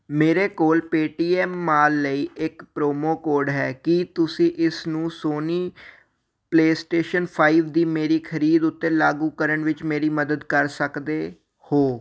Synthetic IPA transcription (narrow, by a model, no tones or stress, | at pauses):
meːɾeːkoːlpeːʈiːɛːmːaːlːəiːʔɪkpɾoːmoːkoːɾɖɦɛːkɪt̪ʊsĩːʔɪsnũːsoːniː | pleːsʈeːʃənpʰaːiːʋd̪iːmeːɾiːkʰəɾiːd̪ʊt̪ːeːlaːɡũːkəɾəɳʋɪt͡ʃmeːɾiːməd̪əd̪kəɾsəkd̪eː | hoː